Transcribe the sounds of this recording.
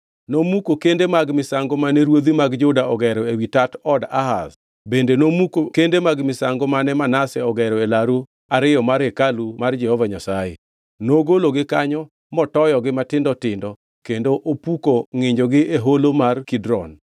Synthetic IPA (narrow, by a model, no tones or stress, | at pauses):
nomukokendemaɡmɪsaŋɡomanɛɾwod̪imaɡd͡ʒʊdaʔɔɡɛɾɔewitatɔdaɦa̰s | bendenomukokendemaɡmɪsaŋɡɔmanɛmanasɛɔɡɛɾɔelaɾu | aɾɪjɔmaɾekalumard͡ʒɛhɔvaɲasajḛ | noɡoloɡɪkaɲɔ | mɔtɔjɔɡɪmatɪndɔtɪndɔ | kendoʔopukoŋɪɲd͡ʒoɡɪʔeɦolomarkidɾɔn